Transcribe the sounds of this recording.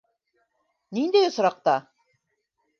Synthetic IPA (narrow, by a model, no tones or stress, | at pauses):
nind̪ejŏs̆ɾɑq̚t̪ɑ